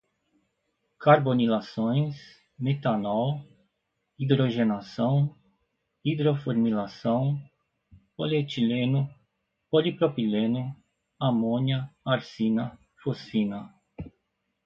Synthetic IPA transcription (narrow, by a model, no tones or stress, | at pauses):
kaɾbonilasõj̃s | met̪anɔw | id̪ɾoʒenasɐ̃w̃ | id̪ɾofoɾmilasɐ̃w̃ | polet͡ʃilenʊ | polipɾopilẽnʊ | amõniɐaɾsinɐ | fosinɐ